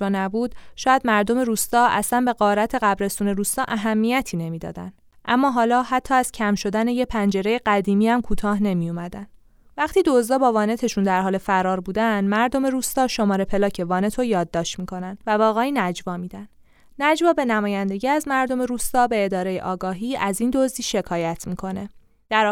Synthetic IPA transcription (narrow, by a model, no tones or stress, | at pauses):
vɒːnæbuːd̪ʃɒːjæd̪mæɾd̪o̞me̞ɾuːst̪ɒːʔæslænbe̞ɣɒːɾæt̪ʰe̞ɣæbɾe̞st̪uːne̞ɾuːst̪ɒːʔæɦæmːijæt̪ʰiːne̞miːd̪ɒ̰ːd̪æ̰nd̪ | ʔæmːɒːɦɒːlɒːhæt̪ʰːɒːæz̥cʰæmʃo̞d̪æne̞je̞pʰænd͡ʒe̞ɾe̞je̞ɢæd̪iːmiːhæmkʰuːt̪ʰɒːɦne̞mijomæd̪æn | væχt̪iːd̪ozd̪ɒːbɒːvɒːne̞t̪ʰe̞ʃund̪æɾɦɒːle̞fæɾɒːɾbuːd̪ænd̪mæɾd̪o̞me̞ɾuːst̪ɒːʃo̞mɒːɾe̞pʰe̞lɒːcʰe̞vɒːne̞t̪ʰojɒːd̪ːɒːʃt̪miːkʰo̞nænd̪vævɒːɣeiːnæd͡ʒvɒːmiːd̪ænd̥̪ | næd͡ʒvɒːbe̞næmɒːjænd̪e̞ɟiæzmæɾd̪o̞me̞ɾuːst̪ɒːbe̞ːd̪ɒːɾe̞jḛʔɒːɡɒːɦiːʔæziːnd̪ozd̪iːʃe̞kʰɒːjæt̪ʰmiːkʰo̞ne̞ | d̪̥æɾ